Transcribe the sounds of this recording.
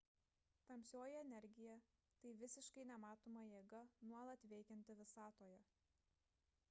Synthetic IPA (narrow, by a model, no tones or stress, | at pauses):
t̪ɐmʲsʲoːjɛɛnʲɛɾʲɡʲɪjɛt̪ɐɪʋʲɪsʲɪʃkɐɪnʲɛmɑːt̪oːmɐjeːɡɐnuɔlˠɐt̪ʋʲɛɪkʲɛnʲt̪ʲɪʋʲɪsɑːt̪oːjɛ